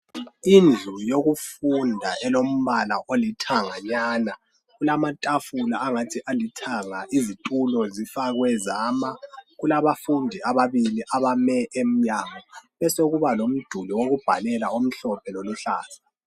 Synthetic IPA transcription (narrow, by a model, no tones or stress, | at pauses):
ind͡ɮʱujoɣufundʱaʔɛlom̩βalaʔolitʰaŋaɲaːna | ɣulamatʼafulaːŋatʰiʔalitʰaŋaʔizitʼulɔzifaɣwɛzaːmaɣulaβafundʱiaβaβiliʔaβamɛʔem̩ɲamɔβɛsoɣuβalom̩d̥ʱuliwoɣub̥ʱalɛlaom̩ɬɔpʰɛloluɬa̰ːzḁ